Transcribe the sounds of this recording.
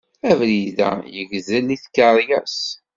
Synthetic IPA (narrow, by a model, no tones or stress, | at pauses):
ævliðæ̰jəʝzælːiθkəɾˤjæs